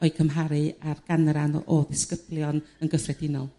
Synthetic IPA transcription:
ɔɨkʰəmɦaɾɨarɡ̥anranɔ̰ʔɔðɪskəb̥lˠjɔnənɡəfrɛdɪnɔlˠ

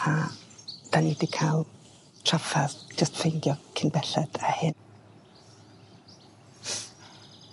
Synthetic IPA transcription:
a | d̥anidikʰalˠ | tʰrafaðd͡ʒəstfʰejndjɔkʰɪnbɛɬɛd̥ahɪn

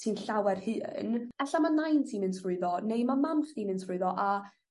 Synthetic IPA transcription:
tʰiːnɬawɛrhɨːnɛɬamanajntʰiːnmɨnsrʊɨðɔnejmamamχtiːmɨntsʰrʊɨðɔʔa

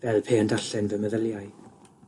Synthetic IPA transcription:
vɛlˠpʰeːəndaɬɛnvɛməðəlˠjaj

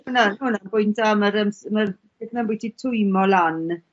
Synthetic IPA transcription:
hunanhunanbʊjntaməɾəmsmər | ɪθnanmbujtʰitʰʊjmɔlan

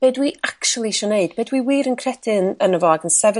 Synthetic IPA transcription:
b̥eːdwiʔakʃulˠiʃɔneɨd̥beːdwiwiːɾənkʰrɛtʰɪnənəvɔɡənsɛvə

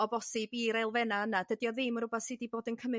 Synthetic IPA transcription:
ɔbɔsɪbiɾejlˠvɛnaənadədjɔðɪmɔɾ̥ʊbɔθsidiboːdənkʰəmɨ

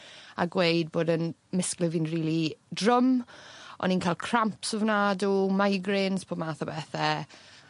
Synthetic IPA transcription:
a̰ɡwejd̚boːdən | mɪsklˠəvinriːlˠidrʊm | ɔ̰ninkʰalˠkʰr̥ampsɔvnaːdumajɡɾɪnspʰoːmaːθɔbɛːθɛ

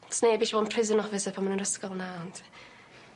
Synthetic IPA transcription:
tʰɔ̥snebiʃvɔːnpʰrɪzənɔfɪsəpʰamanənrəskɔlˠnaɔntʰ

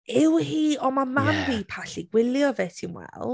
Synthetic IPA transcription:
ɪwhiːɔmamamipʰaɬiɡwɪljɔvetʰimwɛ̰lˠ

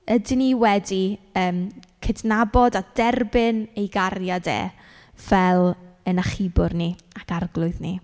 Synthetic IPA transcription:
ədɪniwɛdiəːmkʰədnabɔdadɛrbɪnejɡarjadḛː | v̥ɛlˠənaχɪbʊrniakarɡlˠʊɨðni

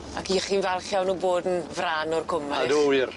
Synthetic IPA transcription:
a̰kʰiχiːnvɛlˠχjawnuboːdn̩vraːnɔrkʰʊmaaduwɪr

